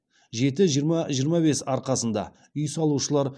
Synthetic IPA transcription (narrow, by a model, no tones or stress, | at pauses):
ʒe̞t̪ɪʒijəɾmɑʒijəɾmɑbe̞sɑɾqɑsənd̪ɑ̰ | ʏjsɑlˠuʃəlˠɑɾ